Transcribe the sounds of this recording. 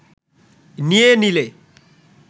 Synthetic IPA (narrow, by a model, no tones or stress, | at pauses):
nienile